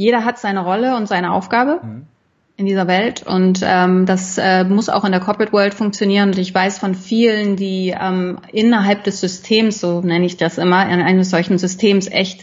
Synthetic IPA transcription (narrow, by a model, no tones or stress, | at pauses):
jeːɾɐɦatz̥aɪnəʁɔləʊntz̥aɪnəʔa̰ʊfɡ̥aːbə | ʔɪndiːzɐvɛltʰʊ̰ntʔɛːmd̥asʔɛːmʊsa̰ʊxɪndeːkʰɔpʁɛtvœɐltfʊŋk̚t͡sjoniːʁ̞ənʊntɪçv̥aɪsfɔnfiːləndiːʔɛːmʔɪnɐɦalp̚d̥ɛsz̥ʏstʰeːmsz̥oːnɛnəɪçd̥asʔɪmɐɪ̰nʔaɪnəsz̥ɔlçn̩zʏstʰeːmsʔɛ̰çt